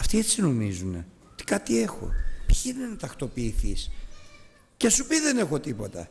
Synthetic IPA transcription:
ɐft̪ie̞t͡sino̞mizune̞̰ | ot̪i̥kɐt̪ie̞xo̞̰pçiinenɐt̪ɐxt̪o̞piːθis | cesupiðe̞ne̞xo̞t̪ipo̞t̪ɐ̰

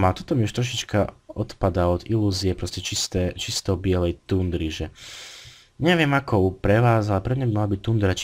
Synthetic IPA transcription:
malt̪ɔt̪ɔmiuʃt̪ɾɔʃ̬it͡ʃkaɔt̪pad̪aɔd̪iluːziɛpɾɔscɛt͡ʃist̪ɛːt͡ʃist̪ɔʊbɪɛlɛjt̪und̪ɾiʒɛ | ɲɛʋɪɛmakɔʊpɾɛʋaːzalɛpɾɛɲɛbimalabic̚t̪und̪ɾat͡ʃ

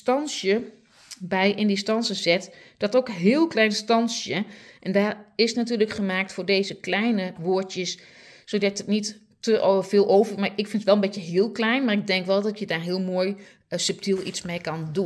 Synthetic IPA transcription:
stɑnsjə | bɛjʔɪndistɑnsəzɪt | d̥ɔtowkɦɪːlˠklɛjnstɑnsjəʔɛndaːrɪsnatyːləkχəmaːk̚tfʊːrdejzəklɛjnəʋoːɹtjəsː | odɑtətnit | təvɪːlˠowvərmaɪkfɪntətʋɛlˠənbɪtjəɦɪːəlˠklɛjnmaːrɪɡ̚dɛŋkʋɛlˠdɔtjədaːɹɦɪəlˠmoːj | sɵp̚tilˠismejkɑndun

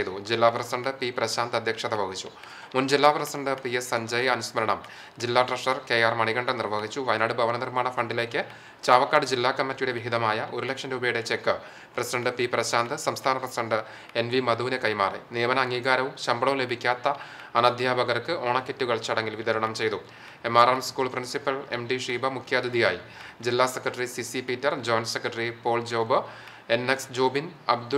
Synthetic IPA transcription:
jt̪ud͡ʑilːaːprɐsɐɳɖɨpiprɐɕaːnd̪ɐd̪ʱjɐkʂɐirʋɐɣit͡ɕːu | mund͡ʑilːaːprɐsiɐɳɖɨpiesɐɲd͡ʑɐjɐnusmɐlɐɳɐm | d͡ʑilːaːʈrɐʂɐrke̞ːjaːrmɐɳiɣɐɳɖɨnirʋɐɣit͡ɕːuʋɐjnaːɽɨbʱɐʋɐnɐnirmaːɳɐfɐɳɖile̞ːkːɨ | t͡ɕaːʋɐkːaːɽɨd͡ʑilːaːkɐmːɐtːijuɽe̞ʋiɦiðɐmaːjɐʔo̞ɾulekʂɐnɾuːbɐjuɽet͡ɕe̞kːɨ | prɐsidɐɳɖɨpiprɐɕaːnd̪ɨsɐmst̪ʰaːnɐprɐsidɐɳɖɨ | e̞nʋimɐd̪uːnɐkɐjma̰ːrḛnijɐmɐnɐːŋːiːɣaːɾɐʋumɕɐmbɐɭɐʋle̞bʱikʲːaːt̪ːɐ | ɐnɐd̪ʱjaːbʱɐɣɐrkɨʔo̞ːɳɐkːetːuɣɐɭt͡ɕɐɽeŋɡilʋid̪ɐɾɐɳɐmt͡ɕe̞jt̪u | emaːɾaːmskuːɭprinsipːɐle̞mɖiʂiːbɐmukʰːjaːd̪ʱiðijaːjid͡ʑilːaːsekrɐʈːɐrisisipiːtːɐrd͡ʑo̞ːnsekrɐʈɐripo̞ːld͡ʑoːbɨ | e̞neksd͡ʑo̞ːbinɐb̚d̪u

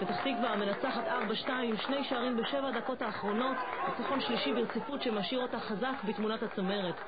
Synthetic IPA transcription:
vet̪aχsikveame̞nat͡saχat̪aʁbaʃtaimʃne̞jʃeaʁimbeʃevad̪ako̞thaːχʁo̞no̞t̪bekaχo̞nʃliʃibiʁt͡sifutʃemaʃiʁo̞taχazakbitmunatat͡some̞ʁet̪

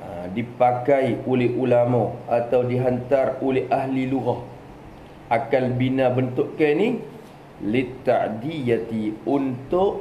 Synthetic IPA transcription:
adipakajolɛhulamɔat̪awdiɦant̪arolɛhʔaɦliluɣah | ʔakalbinãbənt̪ʊʔkani | lit̪ːaʔdijat̪iunt̪ʊʔ

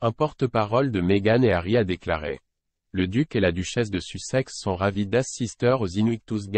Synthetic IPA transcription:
ɛ̃pɔʁt̪əpaʁɔld̪əmeɡaneaʁiad̪ekla̰ʁḛ | ləd̪ykelad̪yʃɛs̬d̪əsysɛksːɔ̃ʁavid̪asist̪œʁozinwit̪us̬ɡ

